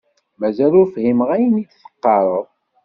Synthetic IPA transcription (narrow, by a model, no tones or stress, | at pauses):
mæzælʊɾfhimʁæjənid̪θə̥qːɑɾˤəðˤ